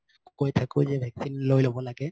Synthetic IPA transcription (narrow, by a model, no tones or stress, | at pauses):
kojt̪ʰakuzɛbʱɛksinlojlobɔlaɡɛ